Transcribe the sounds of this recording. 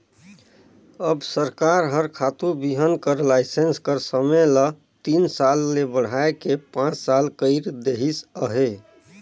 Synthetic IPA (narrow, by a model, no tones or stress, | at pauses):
əbsəɾkaɾɦəɾkʰat̪ubiɦənkəɾlaɪsenskəɾsəmelə | t̪insalːebəɽ̤aekepãt͡ʃsalkəɪɾd̪eɦisəɦe